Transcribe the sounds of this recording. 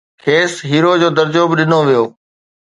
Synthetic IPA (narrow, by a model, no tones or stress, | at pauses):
kʰeːsɦiːɾod͡ʑoːd̪ɐɾd͡ʑoːbɪɗɪnoʋijoː